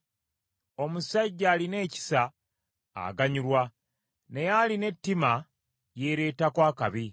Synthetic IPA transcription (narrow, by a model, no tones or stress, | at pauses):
o̞musaɟːaːline̞ːci̥sa̰ː | ɡaɲuɾwa | ne̞jaline̞tːima | je̞ːɾe̞ːtakwaːkaβi